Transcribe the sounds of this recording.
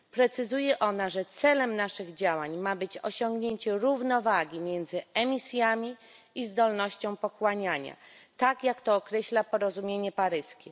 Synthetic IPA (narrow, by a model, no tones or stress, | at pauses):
pɾɛt̪sɘzujɛʔɔnaʐɛt̪sɛlɛmnaʂɘɣd͡ʑawaɲmabɘt͡ɕɔ̰ɕɔŋɡɲeɲt͡ɕɛɾuvnɔvaɡʲimʲjɛnd̪zɘɛmʲisʲjamʲi | izd̪ɔlnɔɕt͡ɕɔ̃w̃pɔxwaɲaɲa̰t̪akjakt̪ɔːkɾɛɕlapɔɾɔzumʲjeɲɛpaɾɘskʲɛ